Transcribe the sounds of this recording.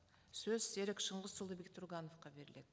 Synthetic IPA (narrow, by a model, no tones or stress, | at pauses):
sɵzse̞ɾekʃəɴʁəzʃʊlˠd̪əbekt̪ʰʊɾʁɑno̞fqɑbe̞ɾɪle̞̰d̪ɪ